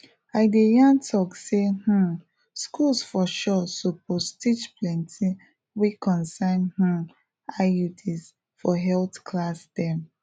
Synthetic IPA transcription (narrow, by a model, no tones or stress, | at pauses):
aɪdejãntʰɔkseh̩ | skulsfɔʃɔsupʰostit͡ʃplɛ̃ntʰi | wikʰɔ̃nsãnhũ | ajudis | fɔɦɛltkʰlasdɛ